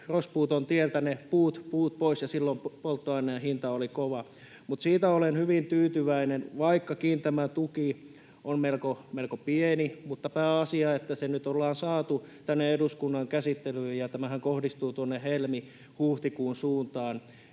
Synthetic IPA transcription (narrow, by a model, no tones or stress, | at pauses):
rospuːt̪ont̪ielt̪ænepuːt̪puːt̪̚poisjɑsilːomppolt̪ːoɑinːeɑhint̪ɑolikoʋɑ | mut̪siːt̪æolenhyʋint̪yːt̪yʋæinenʋɑikːɑkiːnt̪æmæt̪uki | ʔonmelkomelkopienimut̪ːɑpæːɑsiɑet̪ːæsenyt̪olːɑːnsɑːt̪ut̪ænːeeduskunːɑŋkæsit̪ːelyːjjɑt̪æmæhæŋkohdist̪uːt̪uonːehelmi | huːht̪ikuːnsuːnt̪ɑːn